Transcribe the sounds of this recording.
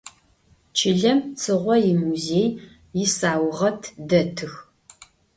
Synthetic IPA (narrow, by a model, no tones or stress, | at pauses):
t͡ʃʰɪɮɐmt͡sʰɨʁʷɔjɪmuzeːj | jɪsaːwʁɐtʰdɐtʰɨx